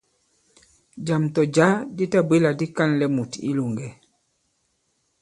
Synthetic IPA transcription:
d͡ʒa˨mtɔ˨d͡ʒa˦di˦ta˦bi˦la˨di˦ka˦nlɛ˨mu˨ti˦lu˨ŋɡɛ˨

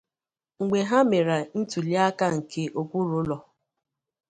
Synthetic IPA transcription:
ŋ̩˨ɡ͡be˨ɦa˦me˨ɾa˨n̩˦tu˨li˦a˦ka˦ŋ̩˨ke˦ʔo˨kʷu˦ɾʊ˦lɔ˨

